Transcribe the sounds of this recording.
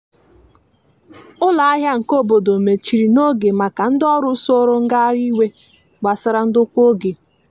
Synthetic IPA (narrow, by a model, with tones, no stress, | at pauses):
ʊ˦la˨a˦ɦja˦ŋ̩˨ko˦bo˨do˨me˨t͡ʃi˨ɾi˨no˦ɡe˨ma˨ka˨n̩˦dɔ˦ɾʊ˦so˦ɾʊ˦ŋ̩˦ɡa˦ɾi˦we˦ | ɡ͡ba˨sɪ˦ɾa˦n̩˦dʊ˦kʷo˦ɡe˨